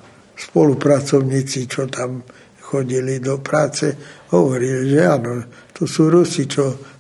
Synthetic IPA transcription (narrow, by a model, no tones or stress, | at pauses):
spɔlupɾat͡sɔʊɲiːt͡sit͡ʃɔt̪ʰam | xɔɟilid̪ɔpɾaːt͡sɛɦɔʋɔɾiliʒɛaːnɔt̪ɔsuːɾusit͡ʃɔ